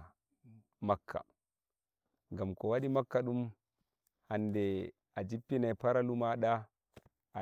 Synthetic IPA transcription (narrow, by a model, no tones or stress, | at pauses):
makʰːa̰ | ŋɡamkɔwaɗimakːaɗum | handɛ | ad͡ʒipːinapaɾalumaɗa | a